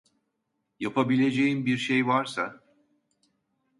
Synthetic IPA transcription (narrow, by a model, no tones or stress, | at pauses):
japʰabilʲe̞d͡ʒejimbiɾʃejvaɾsa